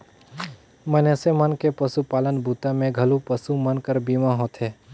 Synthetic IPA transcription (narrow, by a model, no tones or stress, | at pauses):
mənesemənkepəsupaːlənbʱuːt̪ãmẽɡʱəlupəsumənkəɾbiːmãɦoːt̪ɦɛː